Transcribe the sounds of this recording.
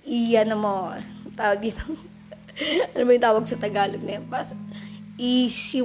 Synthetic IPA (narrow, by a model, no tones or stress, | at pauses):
ʔijɐnɐmot̪aːwɐɡ̚ɪnɐ | ɐnomɐjʊ̃nt̪aːwɐɡ̚sɐt̪ɐɡaːlot̪̚nɐjpɐsʔisɪ